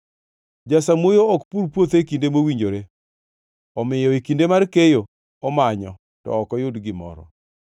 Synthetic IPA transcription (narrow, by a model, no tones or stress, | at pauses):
d͡ʒasamwojoɔkpuɾpwot̪eikindemowiɲd͡ʒoɾe | ɔmɪjɔikindemarkejo | ɔmaɲɔ | tɔ̰ːkɔjʊdɡɪmɔ̰ɾɔ̰